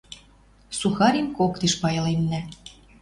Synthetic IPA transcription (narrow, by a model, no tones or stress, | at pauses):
suxɑɾʲimkokt̪eʃpɑjɤ̆lemnæ